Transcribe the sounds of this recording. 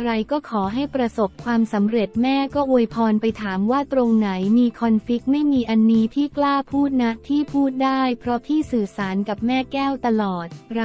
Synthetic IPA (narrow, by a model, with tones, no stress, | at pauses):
ɾa˧jkɔː˥˩kʰɔː˩˦ɦa˥˩jpɾa˧so˨˩p̚kʰwaː˧msa˩˦mɾe˨˩t̪̚mɛː˥˩kɔː˥˩ʔo˧jpʰɔː˧npa˧jt̪ʰaː˩˦mwaː˥˩t̪ɾo˧ŋna˩˦jmiː˧kʰɔ˧nfi˦˥k̚ma˥˩jmiː˧ʔa˧nːiː˦˥t̪ʰiː˥˩klaː˥˩pʰuː˥˩t̪̚na˦˥ʔt̪ʰiː˥˩pʰuː˥˩t̪̚daː˥˩jpʰɾɔ˦˥t̪ʰiː˥˩sɯː˨˩saː˩˦nka˨˩p̚mɛː˥˩kɛː˥˩wt̪a˧lɔː˨˩t̪̚ɾa˧